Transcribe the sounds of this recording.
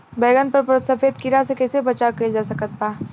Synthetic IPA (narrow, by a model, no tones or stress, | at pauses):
bɛːɡənpəɾpɾsɐfeːd̪̚kiɾasekɛːsebɐt͡ʃaked͡ʒaːsɐkət̪̚paː